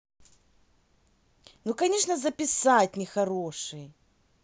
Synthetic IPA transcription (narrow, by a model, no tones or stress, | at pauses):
nukɐnʲeʂnəzəpʲɪsat̚ʲnʲɪxɐɾoʂɨj